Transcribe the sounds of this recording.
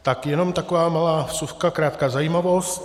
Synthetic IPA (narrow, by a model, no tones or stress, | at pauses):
t̪akjɛno̞mt̪akovaːmalaːsuxkakɾaːt̪̚kazajiːmavo̞st̪